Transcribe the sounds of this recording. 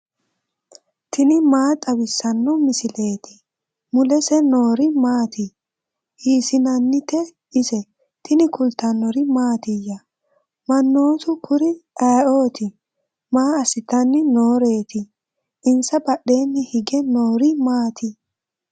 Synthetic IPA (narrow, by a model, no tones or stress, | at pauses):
t̪ʰɪnɪmaːt̪ʼɐwɪsːɐnːɔmɪsɪle̞ːt̪ɪ | mʊlɛsɛno̞ːɾɪmaːt̪ɪ | hiːsɪnɐnːɪt̪ɛ | ɪsɛ | t̪ʰɪnɪkʊlt̪ɐnːɔɾɪmaːt̪ɪjːɐ | mɐnːo̞ːt̪ʊkʰʊɾɪɐːʔoːt̪ɪ | maːɐsɪt̪ɐnːɪno̞ːɾe̞ːt̪ɪ | ʔɪnsɐbɐɗːe̞ːnːɪhɪɡɛnoːɾɪmaːt̪ʰɪ